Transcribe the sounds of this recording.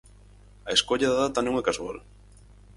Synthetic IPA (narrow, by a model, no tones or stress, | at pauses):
aeskoʎaðaðat̪anõŋɛkasua̰l